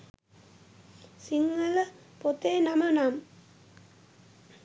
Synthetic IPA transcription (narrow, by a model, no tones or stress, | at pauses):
siŋːələ | pot̪eːnamɐnam